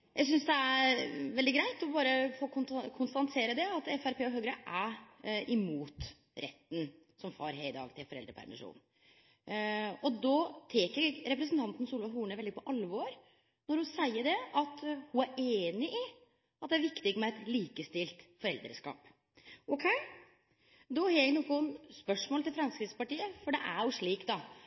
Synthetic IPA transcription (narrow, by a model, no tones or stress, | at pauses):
jʔæɪs̬ʏnsd̪ɛæʋɛld̪ɪɡɾæɪt̪ɔbɑːɾəfoːk̪kʰʊnst̪ɑnt̪ʰeːɾəd̪ɛɑt̪ɛfæɾpʰeːɔɦøːɡɾəʔæ | ɪmuːt̪ | ɾʔɛ̰t̪ːn̩ | sɔmfɑ̰ːɾɦeɪd̪ɑ̰ːɡt̪ʰɪlfɔɾɛld̪ɾəpʰæ̰ɾmɪ̰ʂṵːn | ɔd̪ɔt̪ʰeːkəɾɾɛpɾəsənt̪ʰɑnt̪n̩suːlʋɑɦuːɳəʋɛldɪəpʰɔʔɑlːʋɔːɾ | nɔɾhʊnsæɪːəɖɛɑt̪hʊæɾeːnɪʔɪ | ɑt̪̚d̪ɛæɾʋɪkt̪ɪɡmɛɛt̪liːkəst̪ɪlt̪fɔɾɛld̪ɾə̰ʂkɑ̰ːp | ʔɔkʰɛɪ | d̪ɔhɑːɾjæɡnɔkːʊnspœʂmoːlt̪ɪlfɾɑnskɾɪspɑʈiːəfɔɖɛʔæɾjʊʂɭiːkt̪ɑ